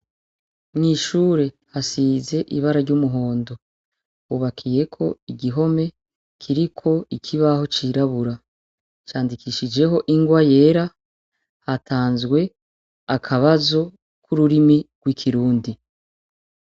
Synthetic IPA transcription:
mŋiːʃuːɾe̞ | hasize̞ʔiβaɾaɾɟumuɦo̞ːndo̞ | uβakʰije̞kʰo̞̰iɡiɦo̞me̞ | kʰiɾikʰo̞ikʰiβaho̞t͡ʃiɾaβuɾa | t͡ʃaːndikʰiʃid͡ʒe̞ɦo̞ʔiŋɡwaje̞ːɾa | hatʰaːnzɡwe̞ | akʰaβazo̞ | kʰuɾuɾimiɡ̥wikʰiɾuːndi

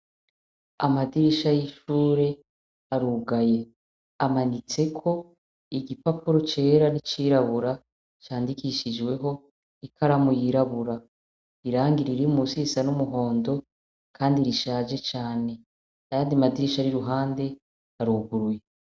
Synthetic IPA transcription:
amadiɾiʃajiʃuːɾe̞ | aɾuːɡaje̞ | amanit͡se̞kʰo̞ | iɡipapuɾot͡ʃe̞ːɾanit͡ʃiːɾaβuɾa | t͡ʃaːndikiʃid͡ʒɡwe̞ɦo̞ | ikʰaɾamujiɾaβuɾa | iɾaːŋɡiɾiɾiumusisanumuɦo̞ːndo̞ | kʰaːndiɾiʃaːd͡ʒe̞t͡ʃaːne̞ | ajaːndiamadiɾiʃaɾiɾuɦaːnde̞ | aɾuɡuɾuje

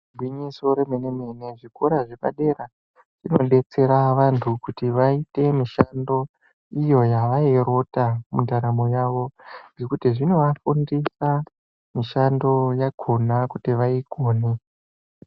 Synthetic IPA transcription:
bʱwiɲiso̞ɾemeneme̞ne̞ʐikoɾaʐe̞pa̰ɗe̞ɾa | ʐ̥ino̞ɗe̞t͡se̞ɾaʋantʰukutiʋaite̞miʃando̞ | ijo̞jaʋaeɾo̞tamundaɾamo̞jaʋo̞ɡe̞kutiʐino̞ʋafundisa | miʃando̞jaɡʱo̞nakutiʋaiɡʱo̞ːne

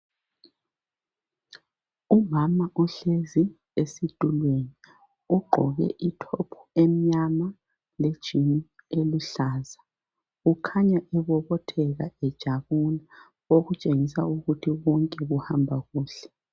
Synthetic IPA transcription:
umamaʔuɬezi | esid̥ʱʼulweni | uɡ͡ǃʱɔɣɛ̰ʔitʰɔpʰu̥emiɲama | led̥ʒ̥ʱini | eluɬaːza | ukʰaɲaʔɛβɔβɔtʰɛɣaɛd̥ʒ̥ʱaβuna | oɣut͡ʃʼeŋisauɣutʰiβɔŋkʼɛɣuhambʱaɣuːɬɛ̥

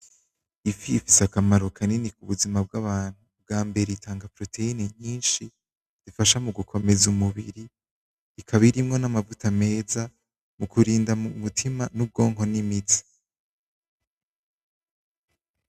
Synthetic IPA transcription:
ifiːfisakamaɾo̞kʰaninikuβuzimab̚ɡaβaːn̥hub̚ɡaːmbe̞ɾeitʰaːŋɡapɾo̞tʰe̞ineɲiːnʃi | z̥ifaʃamuɡukʰo̞me̞zumuβḭɾi | ikʰaβiɾimŋo̞namavutame̞ːza | mukʰuɾiːndaumutʰimanub̚ɡo̞ːŋɦo̞nimit͡si̥

